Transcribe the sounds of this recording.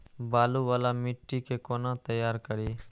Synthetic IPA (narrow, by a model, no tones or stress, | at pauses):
baːluːʋaːlaːmɪʈːiːkʰeːkoːnãːt̪əjaːɾkəɾiː